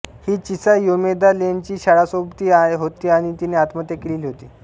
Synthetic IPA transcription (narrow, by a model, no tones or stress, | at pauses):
hiːt͡ɕisajomed̪alent͡ɕiːɕaɽasobt̪iːaeɦot̪iːaɽ̃it̪ineat̪mət̪ekeliːliɦot̪iː